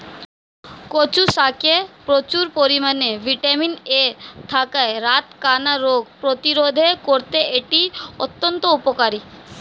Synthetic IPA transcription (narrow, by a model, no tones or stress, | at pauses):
kot͡ɕusakepɾot͡ɕuɾpoɾimanebʱiʈaminet̪ʰakaeɾat̪kanaɾoɡpɾot̪iɾod̪ʱekoɾt̪eʔeʈiot̪ːont̪oupokaɾi